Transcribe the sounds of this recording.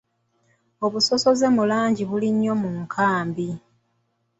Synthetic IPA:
o̞βuso̞so̞ze̞mulaːɲɟiβuliɲːo̞muŋkʰaːmbi

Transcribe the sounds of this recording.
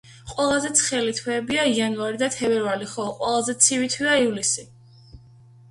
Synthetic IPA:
qʼwɛlˠazɛt̪sʰχɛlit̪ʰwɛːbiaianuaɾid̪at̪ʰɛbɛɾvaliχɔqʼwɛlˠazɛt̪sʰivit̪ʰwiaivlisi

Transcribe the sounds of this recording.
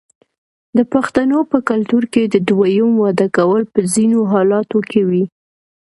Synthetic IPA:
d̪əpaxt̪anopəkalt̪uɾked̪əd̪wajəmwɑd̪akawəlpəzinoɦɑlɑt̪okewi

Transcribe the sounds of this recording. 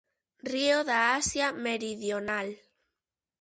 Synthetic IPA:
rioðaasjameɾiðjonal

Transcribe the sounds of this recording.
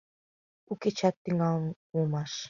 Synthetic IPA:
uket͡ɕɑt̪ːiŋɑlˠn | ulˠmɑʃ

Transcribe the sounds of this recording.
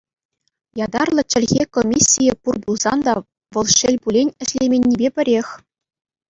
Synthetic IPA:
jɑd̪ɑrlˠɤ̆t͡ɕɘ̆lʲɣʲekomʲisʲːijɘpurbulˠz̥ɑnd̪ɑ | ʋɤ̆lˠɕɘ̆lʲbulʲenʲɘ̆ɕlʲemʲenʲːibʲepʲɘ̆ɾʲexʲ

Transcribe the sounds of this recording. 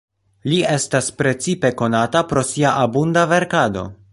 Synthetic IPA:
lie̞staspɾe̞t͡sipe̞ko̞natapɾo̞siaʔabundave̞ɾkado̞̰

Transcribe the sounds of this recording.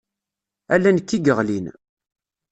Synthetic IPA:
ælːænkːiɡəʁlin

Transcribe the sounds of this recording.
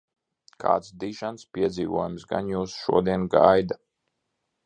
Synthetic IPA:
kʰa̰ːt̪sd̪iːʒanspʲiɛd̪ziːvuɔjumsɡa̰njuːsʃṵɔd̪iɛnɡajd̪a

